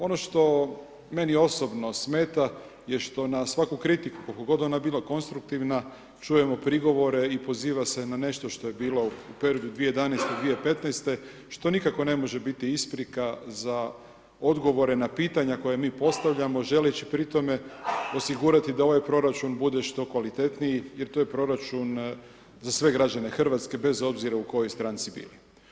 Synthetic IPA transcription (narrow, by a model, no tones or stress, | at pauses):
o̞no̞ʃt̪o̞ | me̞nio̞so̞bno̞sme̞ːt̪a | jeʃt̪o̞nasʋakukɾit̪iku̥kolkoɡo̞d̪o̞nabiːlˠako̞nst̪ɾukt̪iʋna | t͡ʃuje̞mo̞pɾiɡo̞ʋo̞ɾe̞ipo̞ziːʋase̞nane̞ʃt̪o̞ʃt̪o̞je̞biːlˠo̞upeɾijod̪ud̪ʋiejed̪anɛjst̪ed̪ʋiepe̞t̪nɛjst̪e̞ | ʃt̪o̞nikako̞ne̞mo̞ʒe̞bit̪iispɾikaza | o̞d̪ɡo̞ʋo̞ɾe̞napiːt̪aɲako̞jamiːpo̞st̪aʋʎamo̞ʒe̞let͡ɕipɾit̪o̞me̞o̞siɡuːɾat̪id̪ao̞ʋajpɾo̞ɾat͡ʃunbud̪e̞ʃt̪o̞kʋalit̪e̞t̪nijijeɾt̪oje̞pɾo̞ɾat͡ʃun | zasʋe̞ɡɾad͡ʑane̞xr̩ʋat̪ske̞be̞zo̞bziɾauko̞jojst̪ɾaːnt̪sibḭːli